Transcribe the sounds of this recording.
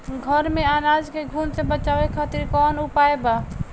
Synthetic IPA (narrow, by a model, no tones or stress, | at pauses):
ɡʱəɾmeanad͡ʒkeɡʱunsẽbət͡ʃabekʰat̪iɾkɔnupaeba